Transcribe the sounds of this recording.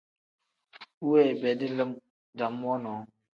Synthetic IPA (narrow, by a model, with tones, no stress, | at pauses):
u˦we˦˨bɛ˨di˦lə˦m | da˨m˦wɔ˦nɔ˨˦